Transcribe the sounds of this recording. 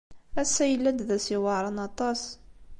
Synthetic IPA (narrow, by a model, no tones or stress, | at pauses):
æsːæjəlːænd̪ðæsiwɑʕɾˤɑnɑt̪ˤɑs